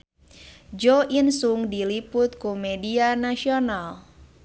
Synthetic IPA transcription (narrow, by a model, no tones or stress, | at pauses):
d͡ʒɔʔinsuŋdilipʊt̪̚kumedianasional